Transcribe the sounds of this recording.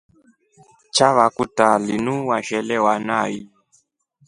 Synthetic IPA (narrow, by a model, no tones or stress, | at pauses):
t͡ʃaβakutalinuwaʃɛlɛwanaːji